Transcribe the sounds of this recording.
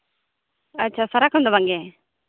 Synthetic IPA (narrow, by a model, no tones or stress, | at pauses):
ɐtːt͡ʃʰaːsəɾakʰɦũnd̪obʱãŋɡe